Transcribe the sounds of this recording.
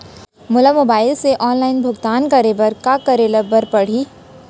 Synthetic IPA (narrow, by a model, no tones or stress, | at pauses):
mʊləmobaːɪlseʔɔːnlaːɪnbʱʊɡt̪aːnkɐɾebɐɾkakɐɾeləbəɾpɐɽ̤iː